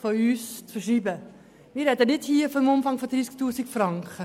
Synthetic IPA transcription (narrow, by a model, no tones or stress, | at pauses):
fɔyːstfəʃiːbə | miəɾɛtənɪthiːfɔmʊmfɐŋfɔdrisk̚tuːsikfrɑŋkχə